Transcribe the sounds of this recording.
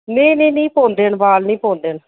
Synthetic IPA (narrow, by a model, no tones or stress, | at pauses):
nĩːnĩːnĩːpõːnd̪eːnbaːlnĩːpõːnd̪eːn